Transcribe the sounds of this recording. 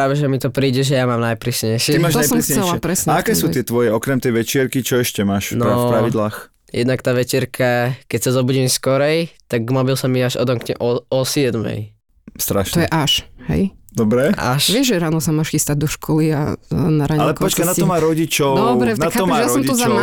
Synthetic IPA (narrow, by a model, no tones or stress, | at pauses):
ɾaːʋɛʒɛmit̪ɔpɾiːɟɛʒɛjamaːmnajpɾiːsɲɛjʃɪɛimaːt̪ɔajsɔɾmxt͡sɛɛlapɾɛsɲɛakɛːsuːɪɛt̪ʋɔjɛɔkɾɛmt̪ɛjʋɛt͡ʃɪɛɾkit͡ʃɔɛʃcɛmaːʃnɔfpɾaʋid̪laːx | jɛ̰d̪nakt̪aːʋɛt͡ʃɛɾkʰakɛcsazɔbuɟimskɔɾɛjt̪aɡmɔbilsamiaʒɔ̰d̪ɔŋkɲɛ̰ʔɔɔsɪɛd̪mɛ̰j | st̪ɾaʃnɔɛjɛʔaʃɦɛ̰jd̪ɔbɾɛa̰ʃʋɪɛʒʒɛɾaːnɔsamaːʃxist̪aɟ̚d̪ɔʃkʰɔlia̰naɾaɲalɛkɔt͡ʃkanat̪ɔmaːɾɔɟit͡ʃɔɔbɾɛnakaɔmajaɾɔɔmit̪ɔzama